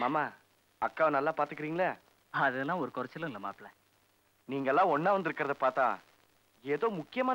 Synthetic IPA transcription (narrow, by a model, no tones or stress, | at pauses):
maːmaː | ɐkːaːʋnɐlːaːpaːɾt̪ɯkːɪɾiːŋɡɐlɐ | ɐðɯlːãːɔɾɯkɔɾɐt͡ʃːɪlɐ̃ɪlːɐma̰ːplɛ | niːŋɡɐɛlːãːɔɳːaːʋɐnd̪ɪɾɯkːɪɾɐðɐpaːɾt̪ãː | eːðoːmʊkːɪjɐmaː